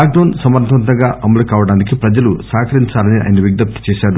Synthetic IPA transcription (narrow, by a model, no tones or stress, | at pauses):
aːknɐːnsɐmɐɾt̪ʰʋɐnt̪̬ɐŋɡaːʔɐmɐlɐkaːʋɐɽaːnikipɾɐd͡ʒɐlusaːkʰɐɾiɲt͡ʃaːlɐniʔɐ̰ːjɐnɐʋiɡd̪ɐp̚t̪i̥t͡ʃɛːʃaːɾu